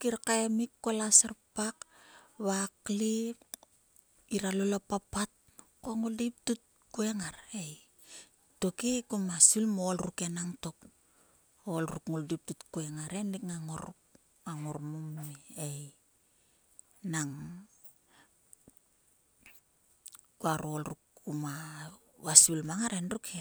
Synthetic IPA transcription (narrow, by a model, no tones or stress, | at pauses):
kiɾkaemikːolaseɾpakβakli | iɾalolopapat̚ | koŋuldip̚tut̚ | kue̞ŋaɾe̞j | to̞kekomasilmoolɾukenaŋto̞k | olɾukŋuldip̚tutkoeŋaɾenikŋaŋoɾ | aŋoɾmomːiej | naŋ | kuaɾuolɾukːuma | wasilmaŋaɾenɾukʰe